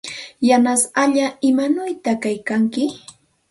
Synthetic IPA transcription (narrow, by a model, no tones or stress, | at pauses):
janasaʎaɪmanʊjt̪akajkaŋkɪ